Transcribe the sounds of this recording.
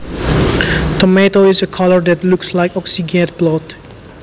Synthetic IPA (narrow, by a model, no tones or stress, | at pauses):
tɔmetoɪzəkʰʌləɹd̪ætlukslaɪkɔksiɡɛ̃t̚b̥lɔt